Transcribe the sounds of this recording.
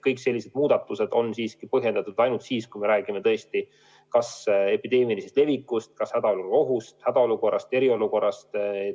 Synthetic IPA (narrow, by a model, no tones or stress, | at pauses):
kɤjkse̞lʲːise̞d̪̥̚muːd̪̥ɑt̪ːˑuse̞d̪̥o̞nsiːskipɤɦje̞nd̪ɑt̪ud̪̥ɑjnult̪siːskujme̞ɾæːɡ̥ime̞t̪ɤest̪i | kɑse̞pid̪e̞ːmilisest̪le̞vikːˑust̪̚kɑshæd̪ɑoluro̞ɦust̪hæd̪ɑo̞luko̞rːɑst̪e̞ɾio̞luko̞rːɑst̪